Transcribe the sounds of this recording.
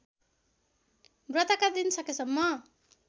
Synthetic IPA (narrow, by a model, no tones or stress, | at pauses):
brʌt̪akad̪insʌkesʌmːʌ